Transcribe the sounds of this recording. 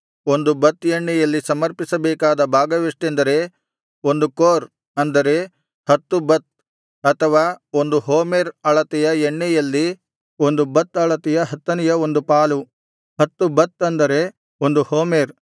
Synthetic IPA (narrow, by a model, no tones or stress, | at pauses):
o̞nd̪ubɐt̪ːeɳːɛjɐlːisɐmɐɾpisɐbɛːkaːd̪ɐbʱaːɡɐʋeʂʈend̪ɐɾe̞ | o̞nd̪ukoːɾ | ɐnd̪ɐɾe | hɐt̪ːubɐt̪̚ | ɐt̪ʰɐʋaːo̞nd̪uɦoːmeɾɐɭɐt̪ɛjɐeɳːɛjɐlːi | o̞nd̪ubɐt̪ɐɭɐt̪ɛjɐɦɐt̪ːɐnɛjɐo̞nd̪upaːlu | hɐt̪ːubɐt̪ɐnd̪ɐɾe̞ | o̞nd̪uhoːmeɾ